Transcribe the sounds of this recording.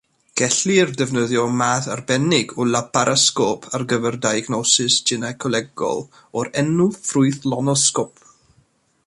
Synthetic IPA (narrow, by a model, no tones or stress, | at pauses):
ɡ̥ɛɬiərdɛvnəðjɔmaːθarbɛnɪɡɔlapʰaɾʔaskɔpʰarɡəvɛrdajɡnɔsɪsd͡ʒɪnakʰɔlɛɡɔ̰lˠ | ɔɾɛnʊfrʊɨθlɔnɔskɔp